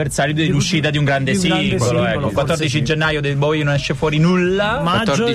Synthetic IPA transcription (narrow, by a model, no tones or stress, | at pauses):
ersalit̪d̪elːuʃːiːt̪ad̪iuŋɡɾand̪esiɡoloɛkːokwatt̪ːɔrd̪it͡ʃid̪id͡ʒenːajod̪elbɔjnonɛʃːefwɔːɾinulːaaat̪ːodi